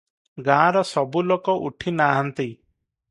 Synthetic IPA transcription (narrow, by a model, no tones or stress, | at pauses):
ɡãːɾɔsɔbulokɔʔuʈʰinaɦant̪i